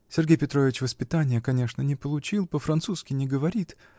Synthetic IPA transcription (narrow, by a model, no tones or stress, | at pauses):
sʲɪrɡʲejpʲɪt̪ɾo̞vʲɪt͡ɕvəspʲɪt̪anʲɪjəkɐnʲe̞ʂnənʲɪpəlˠʊt͡ɕilˠpəfɾɐnt̪suskʲɪnʲɪɡəvɐɾʲit̪